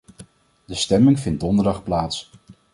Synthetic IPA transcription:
dəstɛmɪŋvɪnt̚dɔndəɹdɑχplaːts

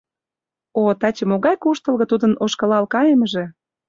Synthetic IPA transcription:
ot̪ɑt͡ɕə̆moɣɑjkuʃt̪ə̆lɣɤ̆t̪ud̪ənoʃkɤ̆lɑlkɑjeməʒĕ

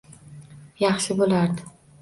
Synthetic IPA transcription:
jɑχʃɪbolaɾd̪ɪ

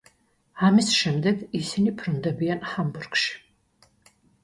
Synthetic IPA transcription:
amisʃɛmd̪ɛɡisinipʰɾund̪ɛbianħamburɡʃi̥

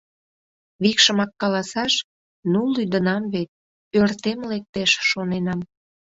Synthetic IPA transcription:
βikʃəmɑkːɑlɑsɑʃ | nulːyd̪ənɑmβet̪̚ | ørt̪emlek̚t̪eʃːonenɑm

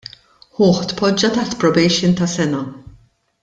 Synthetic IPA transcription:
ħʊːħt̪pɔd͡ʒːɐt̪ɐħt̪pɾɔbɛjʃɪnt̪ɐsɛnɐ

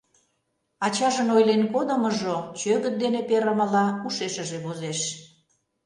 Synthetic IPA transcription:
ɑt͡ɕɑʒənojlenkod̪ə̆mə̆ʒot͡ɕøɣə̆t̪̚d̪enepeɾəmə̆lɑuʃeʃə̆ʒeβozeʃ

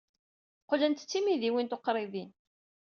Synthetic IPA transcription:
qolænt̪t͡sːimiðiwint̪oqɾˤɪðin

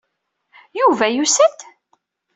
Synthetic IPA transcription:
juvæjusət̪

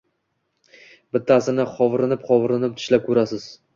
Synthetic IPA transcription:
bɪt̪ʰːasɪnɪχɒvɾɪnɪpχɒvɾɪnɪp̚t̪ʰɪ̥ʃlap̚kʰɵɾasɪz̥

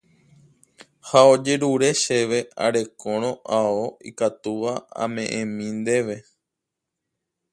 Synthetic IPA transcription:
haod͡ʒe̞ɾuɾe̞ʃeʋe̞a̰ɾe̞kõɾ̃õ̞ʔaoḭkat̪uʋaa̰mẽ̞ʔẽmĩnd̪e̞ʋe̞

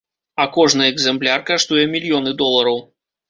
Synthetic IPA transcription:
ɐkɔʐnɨɛɡzɛmplʲarkaʂt̪ujɛmʲilʲjɔnɨd̪ɔlˠɐɾɐw

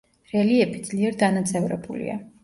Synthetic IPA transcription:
ɾɛliɛbid̪zliɛɾd̪anat̪sʰʼɛvɾɛ̰bulḭa̰

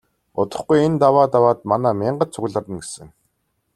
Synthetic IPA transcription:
ʊ̰t̪ə̆χɡujent̪awaːt̪awaːt̪manaːmʲɪːɴɢə̆t̪̚t͡sʰʊɣɮə̆rə̆nɡesɘ̆ŋ

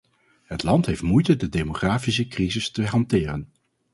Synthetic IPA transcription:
ɦətlɑntɦejftmujtədədemoχraːfisəkrizɪstəɦɑntɪːrən

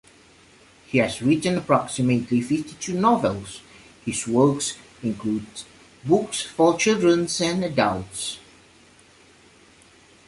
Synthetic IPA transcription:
hiæzɹɪtə̃nəpʰɹ̥ɑksɪmətʰlifɪftitʰunɔvɛlˠs | hɪzwɜ˞ks | ɪ̃nkʰlud | bʊksfɔt͡ʃɪlˠdɹə̃nsɛ̃nədəlˠts

